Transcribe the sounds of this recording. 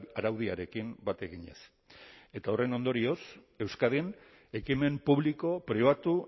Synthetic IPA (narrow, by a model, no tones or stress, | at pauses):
aɾawðiaɾe̞kimbat̪e̞ɣiɲe̞̰s | e̞t̪ao̞re̞no̞nd̪o̞ɾio̞s | e̞wskað̞en | e̞kime̞mpuβliko̞pɾiβ̞at̪u